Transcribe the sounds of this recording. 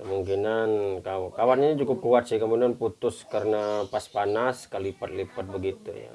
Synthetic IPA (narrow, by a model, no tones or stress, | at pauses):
kəmuŋkinankawkawat̪̚ɲaɲat͡ʃukʊp̚kuat̪sɪhkəmudanput̪ʊskaɾənapaspanaskalipat̪̚lipat̪̚bəɡit̪ṵja̰